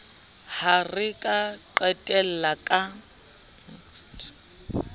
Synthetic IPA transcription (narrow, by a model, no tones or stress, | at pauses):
harɪkʼaǃwɛtʼɛl̩lakʼa